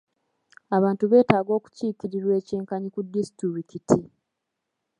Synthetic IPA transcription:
aβaːntuβe̞ːtaːɡo̞ːku̥ciːkiɾiɾwe̞ːceːŋkaɲikudistuɾikitʰi

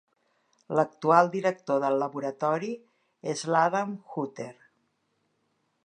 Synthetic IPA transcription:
lək̚t̪ualˠd̪iɾək̚t̪oðəlːəβuɾət̪ɔɾi | ezlaðamxut̪eɾ

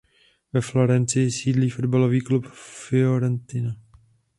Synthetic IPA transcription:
vɛflo̞ɾɛnt͡sɪjɪsiːdliːfo̞dbalo̞viːklupfɪoɾɛnt̪ɪna

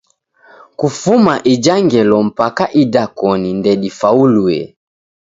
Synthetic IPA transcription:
kufumaʔid͡ʒaŋɡɛlɔm̩pakaʔidakɔnindɛɗifauluɛ̰

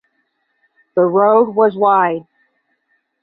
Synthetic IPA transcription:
ðəɹoʊd̚wʌzwaɪd̚

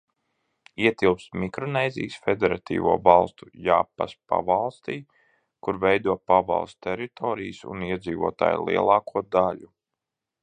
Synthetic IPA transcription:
iɛt̪ilˠpst̪mikɾɔnɛːjzḭːsfed̪ɛɾat̪ḭːvuɔvɑlˠst̪ujaːpa̰spa̰valˠst̪iː | kuɾvɛjd̪uɔpavɑ̰lˠst̪t̪ɛɾit̪ɔːɾijsṵniɛd̪ziːvṵɔt̪a̰ːjlˠḭɛlˠɑːkuɔd̪aʎʲu

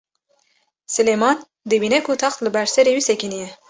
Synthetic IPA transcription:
sɨlemɑn | d̪ɨbiːnɛkʰut̪ʰɑxt̪lɨbɛɾsɛɾewisɛkinijɛ

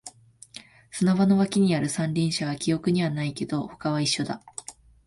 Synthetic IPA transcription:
sɨnaβano̞βakʲiɲ̟iaɾɯ̟sãnɾʲĩɰ̃ɕaβakʲio̞kɯ̟ɲ̟iβanaike̞d̪̥o̞ho̞̥kaβaiɕːo̞d̪a

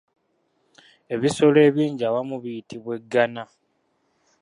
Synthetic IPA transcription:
e̞βiso̞le̞ːβiːɲɟawamuβijitʰiβwe̞ɡːana

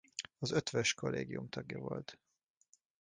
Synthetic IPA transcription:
ɒzøt̪ʋøʃko̞lːʔeːɡijumt̪ɒɡjɒvo̞̰lt̪

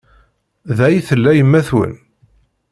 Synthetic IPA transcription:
ðæjθəlːæjəmːæθwə̰n

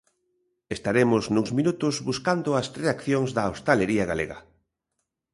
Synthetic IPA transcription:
est̪aɾemʊznuŋzmĩnut̪ʊzβuskand̪ʊɐsreakθjoŋzðɐost̪aleɾiɐɣalḛɣɐ̰

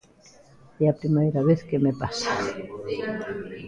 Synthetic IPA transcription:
eapɾimejɾaβeθkemepasḁ

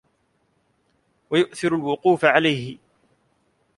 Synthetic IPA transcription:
wajʊʔθɪɾʊlwʊquːfaʕalajhɪ

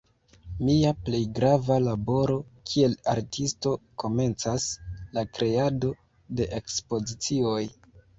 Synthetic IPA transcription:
miaple̞jɡɾavalabo̞ɾo̞kʰie̞la̰ɾtʰisto̞ko̞me̞nt͡saslakɾe̞ado̞ | de̞ʔekspo̞zit͡sio̞j

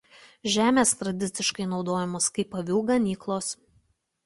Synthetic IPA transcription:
ʒʲæːmʲeːst̪ɾɐd̪ʲɪt̪sʲɪʃkɐɪnɒʊd̪oːjɛmoːskɐɪpɐʋʲuːɡɐnʲiːklˠoːs

